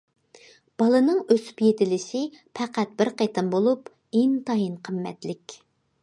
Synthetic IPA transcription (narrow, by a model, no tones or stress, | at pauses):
b̥ɑlˠɨnɨŋøsy̥pjet̪ɪlɪʃɪpʰæqʰæt̪̚bɪɾqʰet̪ʰɨmbolˠup | ent̪ɑjinqʰəmːɛ̰t̪lɪkʲ